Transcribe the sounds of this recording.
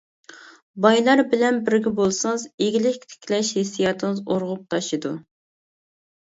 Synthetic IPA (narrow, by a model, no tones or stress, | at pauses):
bɑjlˠɑɾbɪlɛnbɪɾɡʲɛbolˠsɨzeɡʲilɪkʲt̪ʰe̥kʲʰlɛʃhesijɑt̪ʰɨŋɨzoɾʁʊp̚t̪ʰɑʃɨd̪u